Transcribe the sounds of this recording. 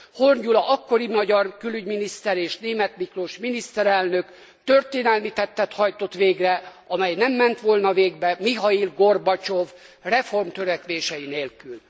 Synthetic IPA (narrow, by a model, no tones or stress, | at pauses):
horɟulɒʔɒkːo̞ɾimɒɟɒrkylyɟminist̪ɛɾeːʃneːmɛt̪mikroʃminist̪ɛɾɛlnø̞k | t̪ørt̪eːnɛlmit̪ɛt̪ːɛt̪hɒjt̪o̞t̪ʋeːɡrɛ | ɒmɛjnɛmːɛnt̪ʋolnɒveːɡbɛmiɦɒirɡorbɒt͡ʃov | rɛfo̞rmt̪øɾɛkʋeːʃɛjineːlkyl